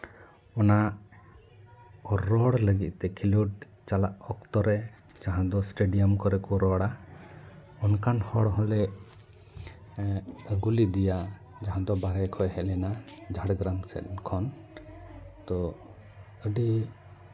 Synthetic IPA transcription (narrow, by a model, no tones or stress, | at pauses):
ɔnaʔ | ɔɾɔɽləɡit̪̚t̪ɛkʰiluɖ̚ | t͡ʃalaʔɔkt̪ɔɾɛ | d͡ʒaɦãd̪ɔsʈeɖijɔmkɔɾɛkuɾɔɽa | ɔnkanhɔɽɦɔlɛʔ | əɡulid̪ija | d͡ʒaɦãd̪ɔbaɾɛjkʰɔjhɛʔlɛnad͡ʒʱaɽɡɾamsɛ̰ʔ̪nkʰɔn | t̪ɔ | əɖi